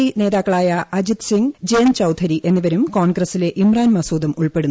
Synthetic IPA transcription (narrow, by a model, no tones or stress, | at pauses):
ine̞ːðaːkːɐɭaːjɐɐd͡ʑit̪siŋd͡ʑeːnt͡ɕɐwt̪ʰɐɾiʔe̞nːiʋɐɾumko̞ːɳɡrɐsile̞ʔimraːnmɐsuːd̪ɐmuɭpe̞ɽunː